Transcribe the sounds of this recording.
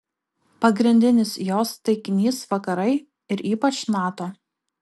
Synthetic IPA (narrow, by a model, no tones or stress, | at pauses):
pɐɡɾʲɪnʲd̪ʲɪnʲɪsjoːst̪ɐɪkʲɪnʲiːsʋɐkɐɾɐɪ | ɪɾiːpɐt͡ʃnɑːt̪oː